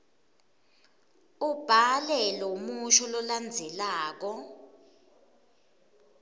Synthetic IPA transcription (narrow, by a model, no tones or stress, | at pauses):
ub̥ʱalɛlɔumuʃɔlɔland͡zʱɛlaːk̬ɔ